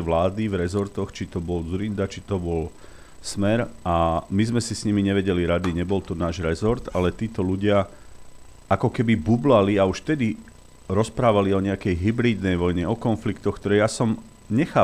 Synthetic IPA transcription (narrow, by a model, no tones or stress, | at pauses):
ʋlaːd̪ivɾɛzɔɾt̪ɔxt͡ʃit̪ɔbɔld͡zuɾind̪at͡ʃit̪ɔbɔl | smɛɾamizmɛsisɲimiɲɛʋɛɟɛliɾad̪iɲɛbɔlt̪ɔnaːʒɾɛzɔɾt̪alɛt̪iːt̪ɔluɟɪa | akɔkɛbibublaliauʃft̪ɛd̪i | ɾɔspɾaːʋaliɔɲɛakɛjɦibɾiːd̪nɛjʋɔjɲɛɔkɔnflikt̪ɔxkt̪ɔɾɛjasɔm | ɲɛxaː